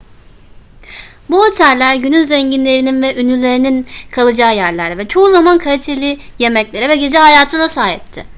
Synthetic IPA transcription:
buho̞t̪ʰælʲːæɾɟynynzɛɲɟinlʲe̞ɾininvɛʔynylʲe̞ɾininkʰalˠɯd͡ʒaːjæɾlʲæɾd̪ʲɛvɛt͡ʃʰo̞uzamankʰaɾit̪ʰe̞lʲɪ | je̞mɛclʲe̞ɾɛvɛɟe̞d͡ʒɛɦajaːt̪ʰɯnasaːɦip̚t̪ʰɪ

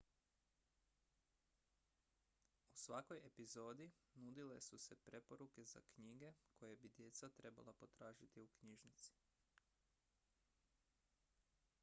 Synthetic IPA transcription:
usʋako̞je̞pizo̞ːd̪inud̪ile̞suse̞pɾe̞po̞ɾuke̞za̰kɲiːɡe̞kojebid̪je̞t̪sat̪ɾe̞ba̰lapo̞t̪ɾaːʒit̪iukɲiʒnit̪si̥

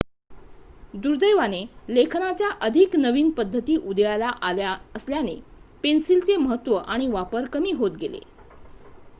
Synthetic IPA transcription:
d̪uɾd̪əjʋanelekʰnat͡ɕjaʔəd̪ʱiknəʋiːnpəd̪ʱːət̪iːʔud̪jalaʔalaəsljanepensilt͡seməɦət̪ːʋəʔaɽ̃iʋapəɾkəmiːɦot̪ɡelḛ

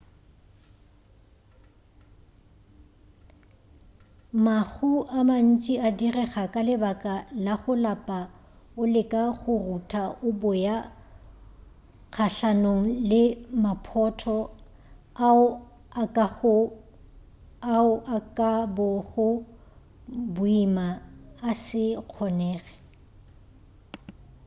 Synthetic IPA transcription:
maɣuʔaman̩t͡ʃʼiadirɛχakʼalɪbakʼalaχʊlapʼa | ʊlɪkʼaɣʊrutʰaʊbʊja | k͡xʰaɬanoŋ̩lɪmapʰɔtʰɔ | aʊ | akʼaʊ | aʊʔakʼabɔɣʊ | bʊimaːsɪq͡χʰɔnɛːɣɛ̥

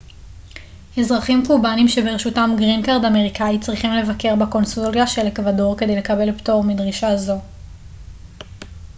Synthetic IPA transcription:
hezʁaχimkubanimʃe̞beʁeʃutamɡʁinkaʁdameʁikait͡sʁiχimle̞vake̞ʁbeko̞nsuljaʃelekvado̞ʁke̞de̞jle̞kabe̞lpto̞ʁmidʁiʃazo̞

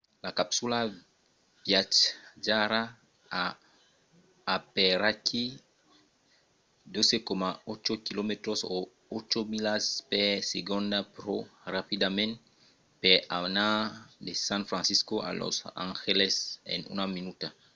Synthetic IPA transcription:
lakapsula | bjat͡ʃd͡ʒaɾa | a | pɛɾakʰi | d̪ozekomaot͡ʃokilomet̪ɾoso | ot͡ʃomilaspɛseɡõnd̪apɾorapid̪amɛ̃n | pɛanadesãnfɾãnsiskoʔa̰lɔ̰sã̰ŋxelɛsɛ̰nṵnaminuta

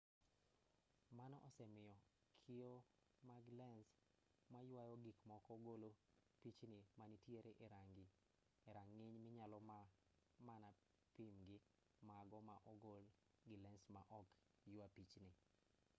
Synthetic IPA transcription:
manɔʔɔsɛmɪjɔ | kʰɪo | maɡlɛns | majʊwajɔɡikmɔkɔɡolopit͡ʃnɪmanitjeɾeʔeɾaŋɡɪ | eɾaŋːiɲmɪɲalɔma | mana | pimɡɪ | maɡɔmaʔɔɡol | ɡɪlɛnsmaʔɔk | jʊwapit͡ʃnɪ

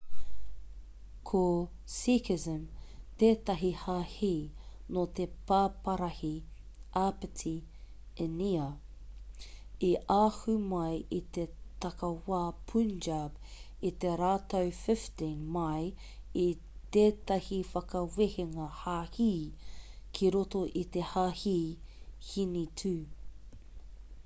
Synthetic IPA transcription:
kʰo | sikɪzəmt̪eːt̪ɐɦihaːhiː | not̪epaːpɐɾɐhi | ʔapɪtʰi | ɛniɐ | iʔaːhumɐjʔit̪et̪ɐkɐwaːpʰund͡ʒab | it̪eɾaːtowfɪftĩnmaj | i | t̪eːtɐhifɐkɐweheŋɐhaːhiː | kʰiɾotoʔit̪ehaːhiː | hinitʰʉː

